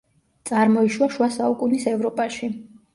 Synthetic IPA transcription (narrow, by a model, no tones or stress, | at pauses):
t̪sʼaɾmɔiʃwaʃwasaukʼunisɛvɾɔpʼaʃi